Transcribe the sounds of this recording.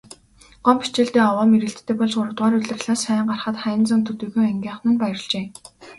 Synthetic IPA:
ɢ̥ɔmpi̥t͡ɕɪ̆ɮt̪eːɔwɔːmeɾɘ̆ɬt̪ʰːeːpɔɮsʊɾə̆wt̪ʁaːɾɵɮɘ̆rɮaːsæːɴɢarχə̆t̪χæjɪ̆nt͡sə̆nt̪ʰɵt̪ɵ̆ɣuːæŋɡʲiːɴχnɘ̆npæjə̆r̆ɮt͡ɕeː

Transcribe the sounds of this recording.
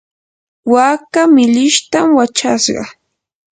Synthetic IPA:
waːkamɪʎɪʃt̪amwat͡ʃa̰sɢɑ̰

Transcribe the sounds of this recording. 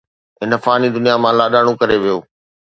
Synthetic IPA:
ɦɪnəfaːnid̪ʊnijamãːlaːɗaːɽ̃õkɐɾeʋijoː

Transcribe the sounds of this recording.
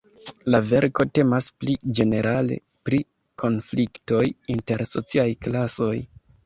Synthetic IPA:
lave̞ɾko̞te̞masplid͡ʒe̞ne̞ɾʔale̞̰ | pɾi | kʰo̞nflikto̞jinte̞ɾso̞̰t͡siajklaso̞j

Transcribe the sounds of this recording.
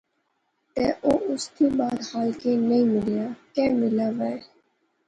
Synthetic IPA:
t̪ɛːʔoːʔʊst̪iːbaːd̪haːlkeːnəĩːmɪljaːkɛ̃ːmɪlaːʋɛe

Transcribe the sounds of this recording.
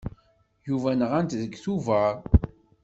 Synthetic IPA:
juvænəʁænt̪ðəɡθuvæɾ

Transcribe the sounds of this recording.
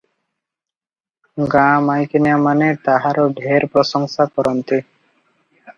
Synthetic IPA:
ɡãmajkenijamanet̪aɦaɾoɖʱeɾpɾɔʃɔŋsakɔɾɔnt̪i

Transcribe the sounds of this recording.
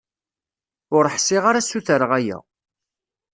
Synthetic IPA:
ʊɾəħsɪʁaɾasuθəɾʁæjæ̰

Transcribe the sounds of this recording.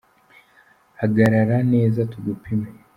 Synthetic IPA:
haɡaɾaɾane̞ːzatuɡupʰime

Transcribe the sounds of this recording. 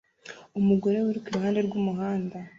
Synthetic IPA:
umuɡo̞ɾe̞wuɾikiɾuɦaːnde̞ɾɡuːmuɦaːnda

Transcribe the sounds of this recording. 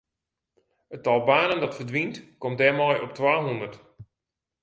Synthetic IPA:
ətɔlˠbaːnəndɔtfərdʋintkɔmt̚dɛmɔjʔɔp̚twaːɦundərt

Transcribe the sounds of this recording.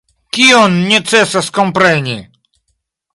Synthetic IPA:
kʲiɔnːʲɛt̪sɛsaskɔmpɾɛnʲi

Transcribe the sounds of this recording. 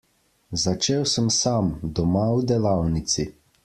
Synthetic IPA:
zat͡ʃeːwsəmsamd̪ɔmawd̪ɛlawnit̪si

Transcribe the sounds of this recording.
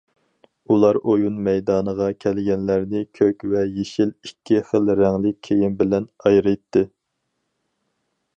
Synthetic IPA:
ulˠɑɾʔojunmɛjd̪ɑːnəʁɑkʲʰɛlɡʲɛnlæɾnɪkʲʰøkʲvɛjeʃilikʲʰːiχəlɾɛŋlɪk̚ʲʰːejimbɪlɛnɑjɾɨjt̪ʰːɨ

